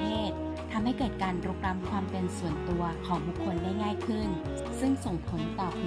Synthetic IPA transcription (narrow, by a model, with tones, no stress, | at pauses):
eː˥˩t̪̚ʰː | a˧mha˥˩jkɤː˨˩t̪̚kaː˧npɾo˧˦˥k̚ɾa˦˧˥mkʰwaː˧mpe˧nsu˨˩ənt̪u˧ɐkʰɔː˩˦ŋbu˨˩kʰːo˧ndaː˥˩jŋaː˥˩jkʰɯ˥˩n | sɯ˥˩ŋso˨˩ŋpʰo˨˦nt̪ɔː˨˩